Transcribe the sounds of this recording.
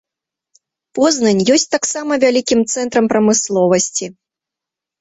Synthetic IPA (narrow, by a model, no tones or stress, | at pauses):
pɔznɐnʲjɔsʲt͡sʲt̪aksamɐvʲalʲikʲimt̪sɛnt̪ɾɐmpɾɐmɨslˠɔvɐsʲt͡sʲi